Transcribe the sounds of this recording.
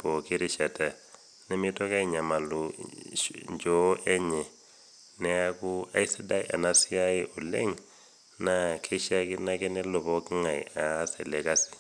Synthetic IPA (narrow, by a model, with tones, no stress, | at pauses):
pɔ˨ki˦ɾi˦˨ʃa˨ta˨ | nɛ˦mi˦tɔ˦ka˦i˦˨ɲa˨ma˨lu˨ | ɲd͡ʒɔ˨˦ʔɛ˦ɲɛ˨ | nɛ˦a˦ku˦a̰˦i˦si˦da˦ḭ˦ʔa̰˨na˦si˦a˦ji˦ʔu˨lḛ˦ŋ | na˦kʰɛ˦ʃa˦ki˦na˦kɛ˦nɛ˦lɔ˨pɔ˦ki˦ŋa˨ḭ˨aː˨˦sɛ˨lɛ˨ka˦si̥˨